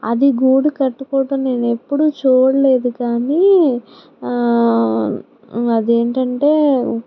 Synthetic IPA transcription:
ɐ̰d̪iɡuːɽukɐʈːukɔːʈɐnnːe̞ːnepːuɽut͡ʃuːɽɐle̞ːd̪ukaːniː | ɐd̪eːɳʈɐɳʈe̞ː

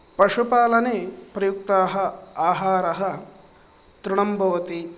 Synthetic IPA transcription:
pɐʂupaːlɐneːpɾɐjuk̚t̪aːɦɐ̆aːɦaːɾɐɦɐ | t̪ɾuɳɐmbʱɐʋɐt̪i

